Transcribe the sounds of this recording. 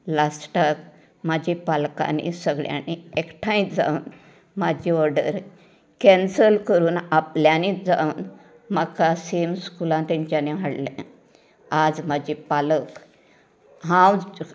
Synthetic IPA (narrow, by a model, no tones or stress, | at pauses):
lasʈak | mad͡ʑʱipalka̰nḭsəɡɭja̰niekʈʰãĩtd͡za̰un | mad͡ʑʱiɔɾɖə̰ɾ | kɛ̃nsəlkəɾuːnapljanid͡za̰un | məkasemskulãnt̪ɛ̃ɲt͡ɕjaneʋaɽlḛ̃ | ad͡zmad͡ʑʱipalək | ɦãw